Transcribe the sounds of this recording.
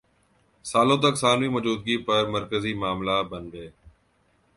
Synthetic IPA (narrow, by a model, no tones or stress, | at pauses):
saːlõːt̪ɐksaːniːmɔd͡ʒuːd̪̚ɡiːpɐɾmɐɾkəzimaːmlabənɡeː